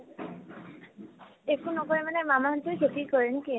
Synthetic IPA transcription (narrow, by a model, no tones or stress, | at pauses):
ekunɔkɔɹɛmanɛmamaɦɔntujkʰetikɔɹɛnki